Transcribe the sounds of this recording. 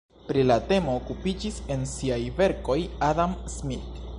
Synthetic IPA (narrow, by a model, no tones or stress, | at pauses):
pɾilate̞mo̞ːkupid͡ʒise̞nsiajve̞ɾko̞jadamsmit